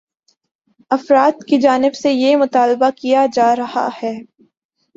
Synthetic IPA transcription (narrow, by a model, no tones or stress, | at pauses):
ɐfɾaːd̪kid͡ʒaːnɪbsejemʊt̪aːlbakijad͡ʒaːɾɐha̰hɛː